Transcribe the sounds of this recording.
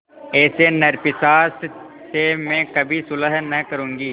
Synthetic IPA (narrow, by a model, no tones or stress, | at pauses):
ɛːsenɐɾpɪsaːs | semɛ̃kɐbʱisʊləɦnɐkɐɾũːŋɡiː